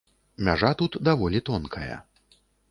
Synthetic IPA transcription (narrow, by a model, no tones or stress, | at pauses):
mʲaʐat̪ut̪d̪avɔlʲit̪ɔnkʰɐjɐ̰